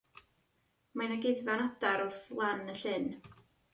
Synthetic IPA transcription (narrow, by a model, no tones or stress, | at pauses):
majnaɡɪðvanadaɾʊrθlˠanəɬɪn